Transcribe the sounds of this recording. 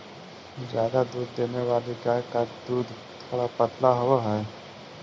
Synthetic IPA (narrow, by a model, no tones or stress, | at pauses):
zjaːd̪ad̪uːd̪̚ːeːneʋaːlikakad̪uːd̪ | t̪ʰoːɽapət̪laɦwaɦɛː